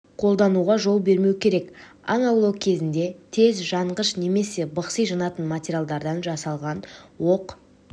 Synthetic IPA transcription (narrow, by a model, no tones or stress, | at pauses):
qʰo̞lˠd̪ɑnuʁɑʒo̞lˠbe̞ɾme̞wkʲʰe̞ɾe̞k | ɑ̰nɑwlˠowkʲʰe̞zɪnd̪e̞t̪ʰe̞zʒɑɴʁəʃne̞me̞se̞bəqsəjʒɑnɑt̪ənmatʲeɾʲjalˠd̪ɑɾd̪ɑnʒɑsɑlˠʁɑnwo̞q